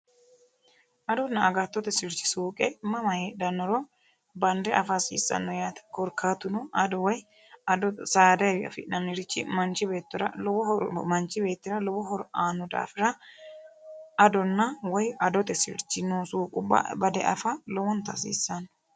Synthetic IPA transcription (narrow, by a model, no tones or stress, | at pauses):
ʔɐd̪ɔnːɐːɡɐt̪ːɔt̪ɛsɪɾt͡ʃːɪ̥suːkʼɛmɐmɐjɛd̪ɐnːɔɾɔ | bɐnd̪ɛʔɐfasḭːsːɐ̰nːɔjaːt̪ɐ̥kɔɾkʰːaːt̪ːʊnɔʔɐd̪ɔwɔj | ɐd̪ɔsaːd̪ɐjwɪɐ̰fɪ̰nɐmɪɾɪt͡ʃːɪmɐnt͡ʃːɪbe̞ːt̪ːɔɾɐ̰lɔbɔhɔɾmɐnt͡ʃːɪbe̞ːt̪ːɪɾɐlɔbɔɦɔɾɔʔaːnːʊd̪a̰ːfɪɾɐ | d̪ɔnːɐwɔjɐd̪ɔt̪ɛsɪ̰ɾt͡ʃːɪnːusuːkʼʊbːɐ̰bɐd̪ɛʔɐ̰fɐlɔwɔnt̪ːɐsḭːsːɐnːɔ